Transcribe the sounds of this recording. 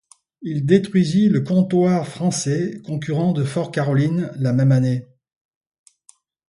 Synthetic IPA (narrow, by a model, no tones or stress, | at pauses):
ild̪et̪χɥiziləkɔ̃t̪waʁfχɑ̃sɛkɔ̃k̬yʁɑ̃d̪əfɔʁkaʁɔlinlamɛmane